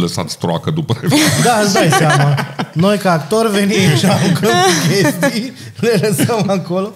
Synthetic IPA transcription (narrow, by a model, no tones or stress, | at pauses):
ləsa̰t̪sʲt̪ɾoa̰kəd̪upəed̪aəzd̪ajsammano̞jkaːkt̪orve̞nimʃaluɡəmkkʲesst̪ij | leləsəmako̞lo